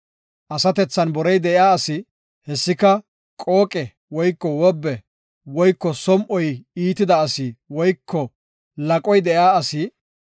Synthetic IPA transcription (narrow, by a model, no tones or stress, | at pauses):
ʔɐsɐt̪ɛt͡sːɐnbɔɾɛjd̪ɛʔɪaːɐsɪ | hɛsːɪkɐ | kʼo̞ːkʼɛ | wɔjkːɔwɔbːɛ | wɔjkːɔsɔmʔɔjiːt̪ɪd̪ɐːsiwɔjkʰːɔ | lɐkʼɔjd̪ɛjaːɐsɪ